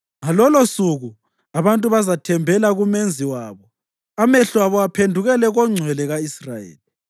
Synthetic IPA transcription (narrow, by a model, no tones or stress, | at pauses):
ŋalɔlosuɣu | aβantʼuβazatʰɛmbʱɛlaɣumend͡zʱiwaːβɔ | amɛɬɔaβɔapʰendʱuɣɛlɛɣɔŋ͡ǀʱwɛlɛɣaisra̰jḛːli